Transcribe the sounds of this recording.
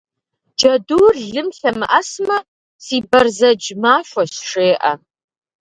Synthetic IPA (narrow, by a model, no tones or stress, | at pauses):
d͡ʒɐduːrɮɨmɬɐmɨʔɐsmɐ | siːbɐrzɐd͡ʒmaːʃʷɔsʂeːʔɐ̰